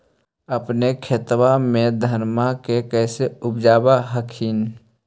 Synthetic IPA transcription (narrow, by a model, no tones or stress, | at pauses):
əpnekʰet̪wamẽd̪ʱəɾmakekɛːseʊbd͡ʒaːbaɦəkʰin